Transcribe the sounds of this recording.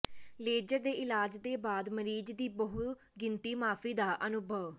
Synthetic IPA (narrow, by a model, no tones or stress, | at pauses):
leːd͡ʒəɾd̪eːʔɪlaːd͡ʒd̪eːbaːd̪məɾiːd͡ʒd̪iːbəɦʊt̪ | ɡɪnt̪iːmaːpʰiːd̪aːʔənʊbʱəʋ